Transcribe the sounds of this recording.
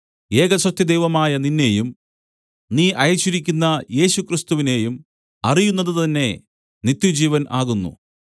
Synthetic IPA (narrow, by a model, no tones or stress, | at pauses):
e̞ːɣɐɕrɐt̪jɐd̪e̞jʋɐmaːjɐninːe̞jum | niːʔɐjɐt͡ɕːuɾikʲːunːɐje̞ːɕukrist̪uʋine̞ːjum | ɐrijunːɐðɨt̪ɐnːe̞ | nit̪jud͡ʑiːʋɐnʔaːɣunːṵ